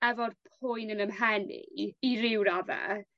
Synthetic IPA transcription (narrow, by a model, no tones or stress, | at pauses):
ɛvɔrpʰʊjnənəmɦɛnḭiɾɪwɾavɛ̰